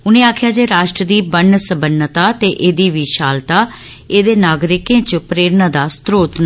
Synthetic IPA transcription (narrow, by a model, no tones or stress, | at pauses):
ʊnẽːaːkʰɪjaːd͡ʒeːɾaːʃʈɾəd̪iːbəɳsəbənːət̪aːt̪eːʔeːd̪iːʋiːʃaːlt̪aː | eːd̪eːnaːɡɾɪkẽːt͡ʃəpɾeːɾnãd̪aːst̪ɾoːt̪n